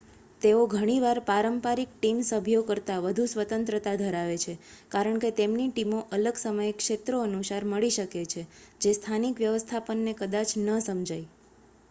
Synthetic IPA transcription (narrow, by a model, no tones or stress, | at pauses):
t̪eoɡʱəɽ̃iʋaɾpaɾəmpaɾik̚ʈimsəbʱjokəɾt̪aʋəd̪ʱusʋət̪ənt̪ɾət̪ad̪ʱəɾaʋet͡ʃʰekaɾəɳket̪emniʈimoʔələɡsəməjekʃet̪ɾoənusaɾməɭiʃəket͡ʃʰed͡ʒest̪ʰanikʋjəʋəst̪ʰapənːekəd̪at͡ʃnəsəmd͡ʒaj